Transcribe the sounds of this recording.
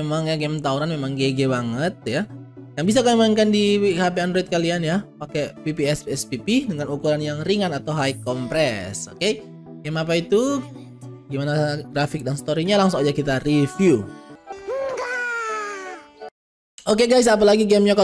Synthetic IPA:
maŋjaɡɛmt̪auɾanmemaŋɡeɡebaŋət̪̚jajaŋbis̬akamaŋkandihapeandɾoit̪̚kalianjapakepipiɛsɛspipidəŋanukuɾanjaŋɾiŋanat̪awɦajkːɔmpɾɛsoke | ɡɛmap̬ait̪u | ɡimanaɡɾafɪk̚danst̪oɾiɲalaŋsʊŋad͡ʒakit̪arifju | ok̬eɡajs̬ap̬alaɡiɡɛmɲaka

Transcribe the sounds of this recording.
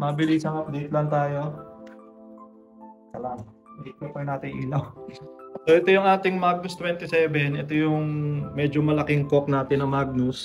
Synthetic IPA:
mɐbɪliːsɐŋɐpd̪it̪lɐnt̪aːjo | sɐlam | d̪ikopɐnaːt̪ɪŋʔiːlɐw | soʔɛt̪ojʊŋʔaːt̪ɪŋmaɡ̚nʊst̪wɛnt̪ɪsɛːbɛnʔɛt̪ojʊŋmɛːd͡ʒomɐlɐkɪŋkok̚naːt̪ɪnːɐŋmaːɡ̚nʊs

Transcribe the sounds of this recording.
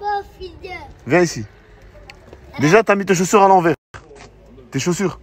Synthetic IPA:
ivjɛ̃isi | d̪eʒat̪yamit̪eʃ̬osyʁalɑ̃vɛʁ | t̪eʃosyʁ

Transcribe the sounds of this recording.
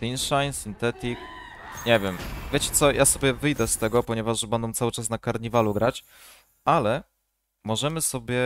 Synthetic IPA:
t̪inʂajnsint̪ɛt̪ikɲɛvʲjɛmvʲjet͡ɕɛ̥t̪sɔjʔasɔbʲjɛvɘjd̪ɛst̪ɛɡɔpɔɲɛvaʐbɛnd̪ɔ̃w̪̃sawɘt͡ʂasnakaɾɲivaluɡɾat͡ɕ | ʔalɛ | mɔʐɛmɘsɔbʲjɛ

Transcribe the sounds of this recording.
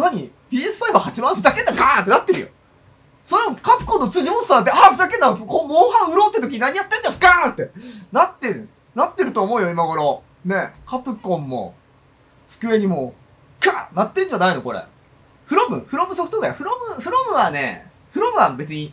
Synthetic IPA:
naɲ̟i | pʲiːe̞sɨ̥ɸaiβahat͡ɕimãnɸɯ̟t̪akend̪aɡat̪enat̪ːeɾɯjo̰ | sonkapɯ̟̥kõnːo̞t͡sɨːʑimosaːd̪eaɸɯzakẽ̞ndakomoːhãɰ̃ɯ̟ɾo̞ːt̪ːet̪ok̬ʲiɲ̟inaɲijat̪ːẽ̞nd̪ajokant̪ːe̞nat̪ːeɾɯ̟ | nat̪ːe̞ɾɯ̟t̪oːmo̞ːjo̞imaɡo̞ɾo̞ | ne̞kapɯ̟kõ̞mːo̞̰ | sɨ̥kɯ̟e̞ɲ̟imoː | kanat̪ːeɯ̟ɲ̟d͡ʑanaino̞ko̞ɾḛ | ɸɯ̟ɾo̞mɯ̟̰ɸɯ̟ɾo̞mɯ̟so̞ɸɯ̟̥t̪oɡaja̰ɸɯ̟ɾo̞mɯ̟ɸɯ̟ɾo̞mɯ̟βanḛ | ɸɯ̟ɾo̞mɯ̟βabe̞t͡sɨɲ̟i

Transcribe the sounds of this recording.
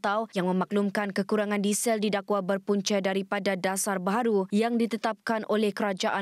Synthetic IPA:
t̪awjaŋmə̃mak̚lumkankəkuɾaŋãndisɛldidakwabərpuɲt͡ʃadaɾipadadasarbaɦaɾujaŋdit̪ət̪ap̚kanʔolɛhkəɾad͡ʒaʔa

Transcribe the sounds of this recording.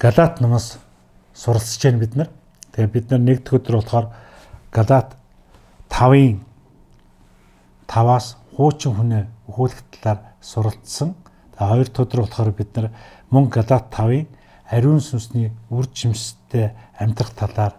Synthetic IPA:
ɡ̥aɮat̪nʊmə̆ːs | sʊɾə̆ɮsə̥̆t͡ɕeːnpit̪nə̆r | t̪ʰepʲit̪̚nə̆rnek̚t̪ʰɡɵt̪ə̆rʊɮχɔːr | ɡ̥aɮat̪ʰː | awiːŋ | t̪ʰawaːsχʊːt͡ɕɪ̆ŋxuneːuxuːɮɘ̆kt̪ʰaɮaːrsʊɾə̆ɬsə̆ŋ | t̪ʰaːχɔjɞ̆r̥t̪ʰʊt̪ə̆rʊɮχɔːɾpit̪nə̆r | mɵŋɡaɮat̪ʰːawiːŋ | æɾʲuːnsɵmsniːurt͡ɕʰimt͡ɕt̪ʰːeːæm̥ʲt̪rə̆χt̪ʰaɮaːr

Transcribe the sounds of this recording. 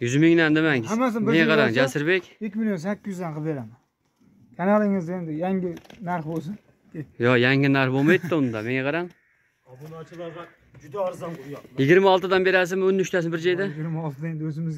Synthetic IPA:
jyzmɪŋnænd̪ɪmæhmːasɪneŋʲaqʰɑɾɑŋd͡ʒasɪɾbe̞kʲɪkʲmilʲjonsakʲːɪzzd̪anqʰɨpbeɾama | kʲʰanalˠɪŋɪzend̪ɪjaŋɡʲɪnaɾχbolˠs̬ɪn | jojæŋʲɪnaɾχbomajd̪ɪt̪ːɪʊnɨd̪ɑme̞ŋʲɛqʰɑɾɑŋ | d͡ʒd̪ɾzjɪɡʲɪɾmaɒlˠt̪ɨd̪ɑnbe̞ɾas̬ɪnmʊnːʏʃt̪æs̬ɪnbɪɾd͡ʒajd̪aɡʲɾmaɒlˠt̪ʰd̪aend̪ɵzɪmɪz

